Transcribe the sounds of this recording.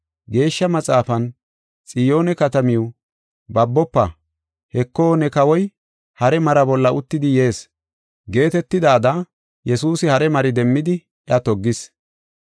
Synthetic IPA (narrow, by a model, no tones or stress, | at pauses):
ɡe̞ːʃːɐmɐt͡sʼaːfɐn | t͡sʼɪjo̞ːnɛkɐt̪ɐmɪo | bɐbːɔpːɐ | hɛkːo̞ːnɛkɐwɔj | hɐɾɛmɐɾɐbɔlːɐʊt̪ːɪd̪ɪje̞ːs | ɡe̞ːt̪ɛt̪ːɪd̪aːd̪a | jɛsuːsɪhɐɾɛmɐɾɪd̪ɛmːɪd̪ɪ | ɛɐt̪ɔɡːɪs